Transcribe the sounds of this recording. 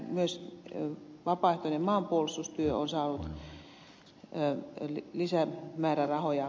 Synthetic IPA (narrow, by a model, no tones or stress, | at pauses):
myøs | ʋɑpɑˑeht̪onemmɑːmpuolist̪ust̪yøo̰nsɑːnut̪ | llisæmæːrærɑhojɑ